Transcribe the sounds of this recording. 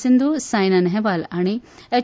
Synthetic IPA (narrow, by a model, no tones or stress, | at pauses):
sind̪ʱusaːjnɐnɦeʋalaːɽ̃ie